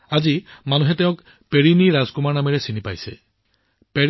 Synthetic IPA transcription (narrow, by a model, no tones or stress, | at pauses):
ad͡ʒimanuɦet̪eʊ̃k | peɹiniɾazkumaɹnamiɾesinipajse | pe